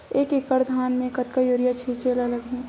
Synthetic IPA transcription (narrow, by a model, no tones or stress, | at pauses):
eːkekəɾd̪ʱaːnmẽkɐt̪kajoːɾijat͡ʃʰit͡ʃelaləɡɦũ